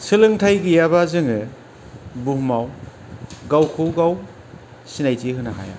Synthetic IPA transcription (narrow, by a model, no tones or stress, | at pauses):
sɯlɯŋtʰajɡijabazɯŋɯ | buhmaw | ɡawkʰɯwɡaw | sinajtiɦɯnaɦa̰ja̰